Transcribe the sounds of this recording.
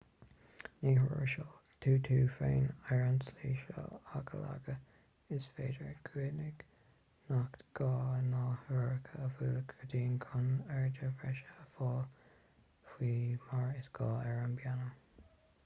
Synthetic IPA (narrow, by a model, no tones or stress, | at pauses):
niːɦʊɹə̰ʃɑː | tʰuːt̪ʰuːfeːnɛɹənsliːʃɔ̰aɡə̰la̰ɡə | ɪsfeːdəɹɡ̥ʰwiːnɪɡ̥ | naktɡ̥ɑːnɑːhʊɹəkʰəəvulkʰəd̪iːnkʰʊnɛɹdəvɛʃəəfɑːl | fiːmaɹɪsɡ̥ɑːɛɹənbjanəm